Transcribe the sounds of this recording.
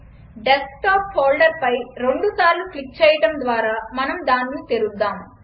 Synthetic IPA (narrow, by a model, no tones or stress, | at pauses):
ɖesk̚ʈaːphoːlɖɐɾpɐjɾe̞ɳɖusaːɾluklik̚t͡ʃɛːjɐʈɐmd̪ʋaːɾaːmɐnɐmd̪aːnːit̪eɾud̪ːaːm